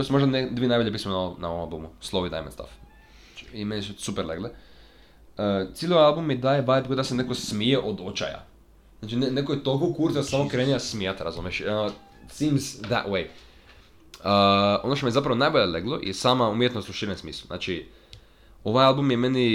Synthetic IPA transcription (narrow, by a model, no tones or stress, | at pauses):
j̪osumo̞ʒd̪aned̪ʋienajboʎʲepismenanaoomalˠbumuslˠoid̪a̰jmḛnst̪a̰f | at͡ʃi̥imenisusupeɾlḛɡle | ət̪silʲiojalˠbumːid̪ajebajt̪ɡod̪asenekosmijeʔod̪ot͡ʃa̰ja̰ | znaːt͡ʃinenekojt̪olˠkokuɾt̪asaːmokɾenijasmijat̪ɾazumjeʃo | sĩmzðæ̰twej | əo̞noʃt̪omijezap̬ɾaʋonaːjboʎeleɡlˠoʔḭsaːmaumjet̪noslˠuʃiɾansmiːsluzna̰ːt͡ʃi | o̞ʋajalbumjemeni